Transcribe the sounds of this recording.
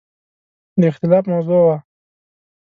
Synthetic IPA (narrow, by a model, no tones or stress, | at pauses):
d̪əɪxt̪ɪlɑːfmawzowa